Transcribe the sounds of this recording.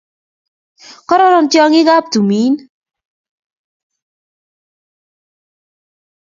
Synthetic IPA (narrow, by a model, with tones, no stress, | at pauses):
kɔ˦ɾɔ˦ɾɔ˨ntjɔ˦ŋɪ˦ɣa˦p̚tu˨mi˨˦n